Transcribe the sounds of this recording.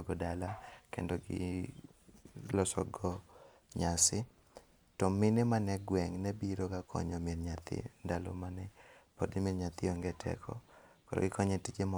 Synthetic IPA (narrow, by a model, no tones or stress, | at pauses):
ɡɔdalakḛndɔɡɪ̰ | lɔsɔɡɔ | ɲasɪ | tɔmɪnɛmanɛɡwɛŋnɛbiɾokakʰɔ̰ɲɔmeɾɲat̪ɪ̰ndalo̰manɛpodimiɾɲat̪ɪɔŋɡɛtʰɛ̰kʰɔ̰kɔɾɔ̰ɡɪkɔɲɛtit͡ʃemɔ